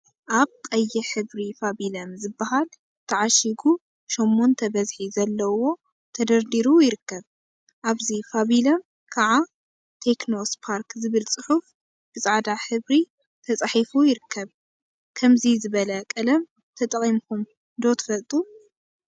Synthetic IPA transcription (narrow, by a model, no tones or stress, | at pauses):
ʔaβkʼɐjːɛħɨβɾifabilɐmzɨbːahal | t̪ʰɐʕaʃiɡu | ʃomːont̪ʰɐbɐzħizɐlːɐwo̞ | t̪ʰɐd̪ɐɾd̪iɾujɪɾɨkːɐβ | ʔaβzifaβilɐm | kʰaʕa | t̪ʰe̞kno̞spʰaɾkzɨβɨlt͡sʼɨħuf | b̥ɨsʼaʕd̪aħɨβɾi | t̪ʰɐt͡sʼaħifujɪɾɨkʰːɐβ | kʰɐmzizɨβɐlɐkʼɐlɐm | t̪ʰɐt̪ʼɐχʼimkʰum | ɨnd̪ot̪ʰɨ̥fɐlt̪ʼu